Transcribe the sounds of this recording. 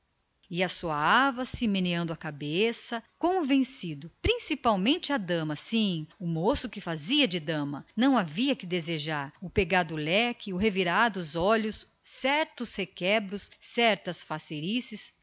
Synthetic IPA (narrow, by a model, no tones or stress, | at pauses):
ɪasoɐavɐsɪmeneɐ̃nd̪ʊɐkabesɐkõvẽsid̪ʊpɾĩsipawmẽnt͡ʃɪɐd̪ɐ̃mɐsĩʊmosʊkɪfaziɐd͡ʒɪd̪ɐ̃mɐnɐ̃w̃aviɐkɪd̪ezeʒaɾʊpeɡaɾd̪ʊlɛkɪʊɦeviɾaɾd̪ʊzɔʎʊsː | ɛɾt̪ʊshekɛbɾʊsːɛɾt̪ɐsfaseɾisɪs